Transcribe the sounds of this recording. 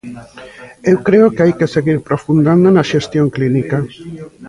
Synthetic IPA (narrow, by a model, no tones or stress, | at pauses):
ewkɾeokeajkeseɣiɾpɾofund̪and̪onɐaʃest̪joŋklinika